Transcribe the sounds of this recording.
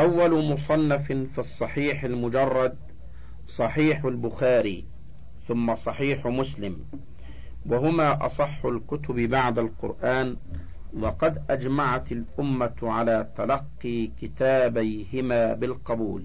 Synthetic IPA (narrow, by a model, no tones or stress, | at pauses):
ʔawːalʊmʊsˤɑnːaffisˤːɑħiːħalmʊd͡ʒɑrˤːɑd̪̚ | sˤɑħiːħʊlbʊxaːɾiː | θʊmːasˤɑħiːħmʊslɪm | waɦʊmaːʔɑ̰sˤɑħːʊlkʊt̪ʊbbaʕd̪alqʊ̰ɾʔaːn | wɑqɑd̪ʔad͡ʒmaʕat̪alʔʊmːaʕalaːt̪alɑqːiːkɪt̪aːbajhɪmaːbɪlqɑbuːl